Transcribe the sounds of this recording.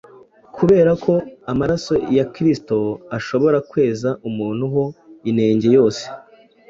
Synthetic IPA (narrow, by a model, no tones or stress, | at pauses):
kʰuβe̞ːɾakʰo̞amaɾaso̞jakɾisto̞aʃo̞βo̞ɾakwe̞ːzaʔumuːn̥huɦo̞ine̞ːɲɟe̞jo̞ːse̥